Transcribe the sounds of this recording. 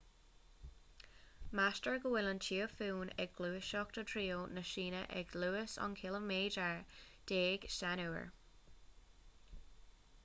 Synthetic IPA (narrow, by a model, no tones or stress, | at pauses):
mastəɹɡəwɪlənt͡ʃʰiːəfuːnɛɡ̚ɡluːəʃɔkd̪̥ət̪ʰɹiːonəʃiːnə̰ʔɛ̰ɡluːəsɔ̰nkʰɪləmeːd͡ʒəɹd̪̥eːɡ̥ʃtanuːə̰ɹ